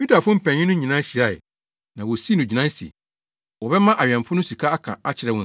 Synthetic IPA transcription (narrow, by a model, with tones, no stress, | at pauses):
ju˦da˨fʊ˦m̩˦pʰɛ̃˨ɲɪ̃˦nʊ̃˦ɲĩ˨nã˦ɕi˨a˦˨ɪ̰˨ | nã˨wɔ˨si˦nʊ̃˨d͡ʑi˨nã˦sḭ˨ | wɔ˨bɛ˦mã˦ʔa˨ɥɛ̃˨ɱfʊ˦nʊ̃˦si˨kʰa˦a˦kʰã̰˨a˦t͡ɕʰɪ˨ɾɛ˦wʊ̃˦˨